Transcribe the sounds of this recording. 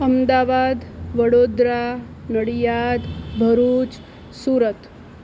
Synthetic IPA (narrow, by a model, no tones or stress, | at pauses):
əmd̪aːʋad̪ʋəɽod̪ɾa | nəɽijad̪bʱəɾuːt͡s | suːɾət̪